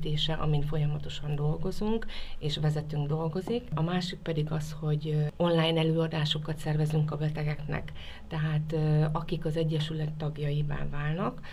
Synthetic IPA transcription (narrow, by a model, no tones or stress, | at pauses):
t̪eːʃɛʔɒ̰mint̪fo̞jɒmɒt̪o̞ʃɒnd̪o̞lɡo̞zuŋkeːʃʋɛzɛt̪yŋɡd̪o̞lɡo̞zikɒmaːʃik̚pɛd̪iɡɒsho̞ɟo̞nlaːjnɛløːɒd̪aːʃo̞kɒt̪sɛrvɛzyŋkɒbɛt̪ɛɡɛknɛ̰kt̪ɛɦaːt̪ɒkikɒzɛɟːɛʃylɛt̪ːɒɡjɒjiba̰ːvaːlnɒk